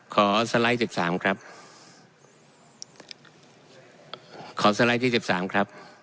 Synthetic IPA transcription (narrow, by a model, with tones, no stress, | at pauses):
kʰɔː˩˦sa˧la˦˥jt͡ɕe˨˩p̚saː˩˦mkʰɾa˦˥p̚ | kʰɔː˩˦sa˧la˧˥jt̪ʰiː˥˩se˨˩p̪̚saː˩˦mkʰɾa˦˥p̚